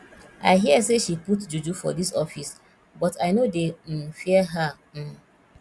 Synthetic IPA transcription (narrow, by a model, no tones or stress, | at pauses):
ʔa̰ɪɦiəseʃiputd͡ʒud͡ʒufɔ̰disɔfis | bɔtʰaɪnodem̩fiəɦa